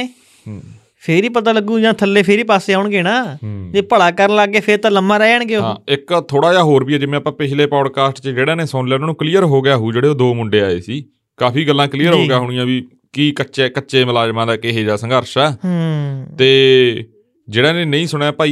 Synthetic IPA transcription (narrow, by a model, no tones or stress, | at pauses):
eː | pʰeːɾiːpət̪aːləɡũːd͡ʒãːt̪ʰəlːeːpʰeɾiːpaːseːaːʊɳɡeːnãːeːpəɽaːkəɾnlaːɡːeːpʰeɾt̪ãːləmːãːɾɛːəɳɡeoːɦã̰ːɪkt̪ʰoːɽaːjaːɦoːɾbiːɛːd͡ʒɪmẽːəpãːpɪʃʰleːpaːɽkaːsʈt͡ʃəd͡ʒeːɽãːneːsɔːnlɛːnaːnũːkliːəɾɦoːɡɪjaːɦuːd͡ʒeːɽeːoːd̪oːmʊɳɖeːa̰ːḛːsiː | kaːpʰiːɡəlːãːkliːəɾɦoːɡjaːɦʊːɳ̃ɪjãːʋiː | kiːkəʃeːkəːʃeːməlaːd͡ʒmãːd̪aːkeɦeːd͡ʒaːsə̃ŋɡəɾʃɛː | t̪eː | d͡ʒeːɽaːnẽːnəĩːsʊɽeːpaːi